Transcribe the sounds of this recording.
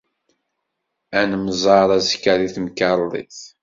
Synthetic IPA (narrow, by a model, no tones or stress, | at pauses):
ænəmzˤɑɾˤæzkːæɾiθməkɑɾˤðˤḭθ